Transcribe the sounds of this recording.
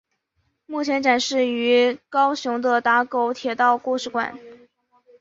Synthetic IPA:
mu˥˩t͡ɕʰjɛ˧˥nʈ͡ʂa˨˩nʂɻ̩˥˩y˧˥kɑ˥ʊɕjʊ˧˥ŋd̪ə˧t̪a˧˥ko˧˩ʊt̪ʰjɛ˨˩t̪ɑ˥˧ʊkwu˥˧ʂɻ̩˥˩kwa̰˨˩˦n

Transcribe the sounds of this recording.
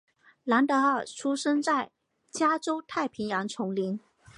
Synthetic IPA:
la˧˥nt̪ɤ˧˥ə˥˩ʈ͡ʂʰu˥ʂɤ˥ŋt͡sa˥˩ɪ | t͡ɕja˥ʈ͡ʂo˥ʊt̪ʰa˥˩ɪpʰi˧˥ŋjɑ˧˥ŋt͡sʰʊ˧˥ŋli˧˥n

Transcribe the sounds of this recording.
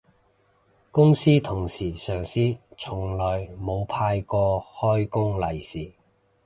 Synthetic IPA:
kʊ˥ŋsiː˥t̪ʰʊ˨˩ŋsiː˨˩sœː˨˩ŋsiː˥t͡sʰʊ˨˩ŋlɔː˨jmo˨˧wpʰaː˧jkɔː˧hɔː˥jkʊ˥ŋlɐ˨˩jsiː˨˩

